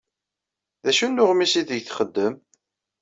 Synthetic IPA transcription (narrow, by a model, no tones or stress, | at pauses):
ðæʃunːʊʁmisiðəʝθχəd̪ːəm